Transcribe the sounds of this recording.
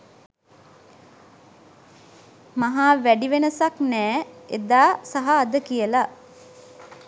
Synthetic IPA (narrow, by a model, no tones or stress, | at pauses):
maɦaːʋæɖiʋenəsaknɛːḛd̪aːsaɦaːd̪əkijəla